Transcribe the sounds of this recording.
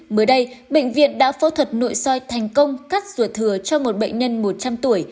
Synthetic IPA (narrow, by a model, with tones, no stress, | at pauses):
məː˨˦jɗə˧jɓḛ˧˨ŋ̟vḭ˧˨ənɗa̰ː˧˥fɔ˨˦t̪ʰwə˨˩t̚no̰˧˨jsɔ˧jt̪ʰa˨˩jŋ̟kə˧wŋ͡mkaː˦˥k̚z̥u˧˩t̪ʰɨ˨˧˩ət͡ɕɔ˧mo˨˩t̚ɓə̰˧˨jŋ̟ɲə˧nmo˨˩t̚t͡ɕa˧mt̪u˧˩əj